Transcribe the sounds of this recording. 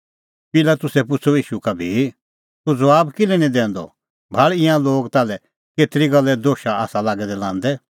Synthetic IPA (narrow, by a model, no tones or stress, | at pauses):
pɪlat̪ʊsɛp̬ʊt͡sʰoiːʃukabʱi | t̪ud͡zɐaːbkɪlɛnĩd̪ɛ̃ːnd̪ɔ̰ | bʱaɭɪ̃ãloːɡt̪aːlɛ | keːt̪ɾiɡɐlːɛd̪oːʃaa̰ːsalaːɡɛd̪ɛlãːnd̪ɛ